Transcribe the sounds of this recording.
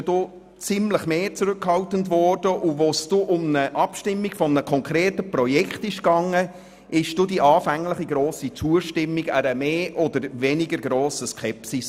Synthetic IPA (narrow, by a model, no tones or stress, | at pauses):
d̥o | t͡sɪmləχmeːt͡sɾʉkhɑltəntvɔrd̥əʔʊvosd̥oʔʊmnəʔɑpʃtɪmːiɡfɔmnəkʰɔŋkʰɾeːtəprɔjɛkχtɪʃɡɑŋːə | ʔɪʃd̥odiʔɑːfæŋləχiɡɾoːsit͡suəʃtɪmːiɡæɾəmeːʔɔd̪əɾvɛnɪɡəɾɡɾoːsəskʰɛpsis